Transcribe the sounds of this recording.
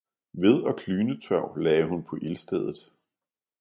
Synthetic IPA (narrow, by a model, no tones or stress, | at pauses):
ʋe̝ð̞ˠɒ̽kʰlyːnət͡sʰɶʊ̰lɛːɪɦunpʰɒ̽ʔelsd̥eð̞ˠð̩ˠ